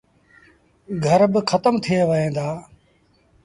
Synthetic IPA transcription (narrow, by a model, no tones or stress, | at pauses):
ɡʱəɾbɪkʰət̪əmt̪ʰieʋəɦẽːd̪aː